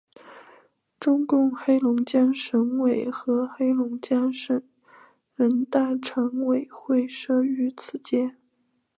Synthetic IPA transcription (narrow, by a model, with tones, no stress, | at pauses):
ʈ͡ʂʊ˥ŋkʊ˥˩ŋxe˥ɪlʊ˧˥ŋt͡ɕjɑ˥nʂɤ˧˥ŋwe˨˩ɪxɤ˧˥xe˥ɪlʊ˧˥ŋt͡ɕja˥nʂə˨˩n | ɻə˧˥nt̪a˥˩ʈ͡ʂʰɤ˧˥ŋwe˨˩ɪxwe˥˩ɪʂɤ˥y˧˥t͡sʰɹ̩˨˧˩t͡ɕjɛ˥n